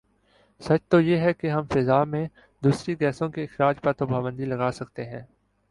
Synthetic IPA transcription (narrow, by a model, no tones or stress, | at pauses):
sɐt͡ʃt̪ojeɦɛkeɦɐmfɪzaːmẽ | d̪uːsɾiɡɛːsõkeɪxɾaːd͡ʒpɐɾt̪obaːʋə̃nd̪ilɐɡaːsɐk̚t̪eɦɛ̃ː